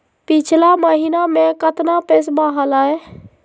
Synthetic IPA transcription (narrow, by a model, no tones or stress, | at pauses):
pit͡ʃʰlaməɦinamekət̪napesbaɦələj